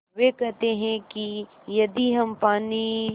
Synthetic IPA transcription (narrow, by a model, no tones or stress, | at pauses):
ʋekɛɦt̪eɦɛ̃ki | jɐd̪iɦɐmpaːni